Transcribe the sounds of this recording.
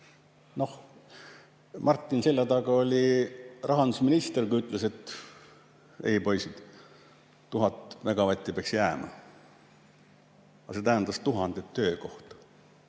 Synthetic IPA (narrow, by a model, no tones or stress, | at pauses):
no̞h | mɑrt̪ːˑinse̞lʲjɑd̪ɑɡɑolʲirʔɑɦɑnd̪̥usminist̪erkuijyt̪ːˑlese̞t̪ː | ḛjpo̞jsid̪̥ | t̪uɦɑt̪ːˑvæɡ̥ɑvɑt̪ʲːˑipeɑksjæːmɑ̰ | ɑse̞t̪æɦend̪̥ɑst̪uɦɑnd̪̥et̪ːø̞ːko̞ht̪ɑ̥